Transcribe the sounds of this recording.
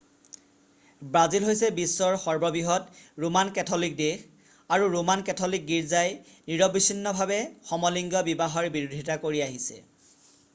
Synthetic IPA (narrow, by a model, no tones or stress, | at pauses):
bɹazilɦojsɛbisːɔɹxɔɹbɔbiɦɔtɹumankɛtʰɔlik̚dex | aɹuɹumankɛtʰɔlik̚ɡiɹzaj | niɹɔbisinːɔbʱabɛxɔmɔliŋɡɔbibaɦɔɹbiɹudʱitakoɹiaɦisɛ̰